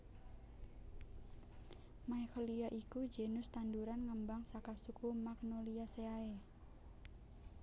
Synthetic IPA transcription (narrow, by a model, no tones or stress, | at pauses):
majxɔliaʔikud͡ʒenʊst̪anduɾanŋəmbaŋsakasukumak̚noliaseae